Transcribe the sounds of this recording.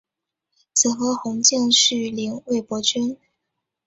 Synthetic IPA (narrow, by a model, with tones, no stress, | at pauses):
t͡sʰɹ̩˨˩xɤ˧˥xʊ˧˥ŋt͡ɕjɛ˥˧nʂɻ̩˥˩li˧˥ŋwe˥˩ɪpwɔ˧˥t͡ɕy˥n